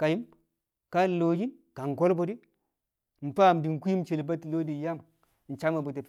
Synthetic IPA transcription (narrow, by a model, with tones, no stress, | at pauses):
ka˨ji˦m | ka˦˨lo˨ji˦n | ka˨ŋ˨ko˦lbo˨di˦ | n̩˨pa˦˨mdi˨n˨ku˦i˦mt͡ʃe˨lba˦ti˨lo˦di˨˦ja˦m | n̩˨t͡ʃa˦ma˨bu˨te˨p